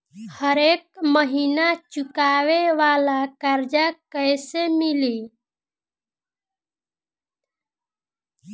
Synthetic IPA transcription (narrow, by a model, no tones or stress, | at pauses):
həɾekməɦinat͡ʃukaweʋalakaɾd͡ʒakəɪsemili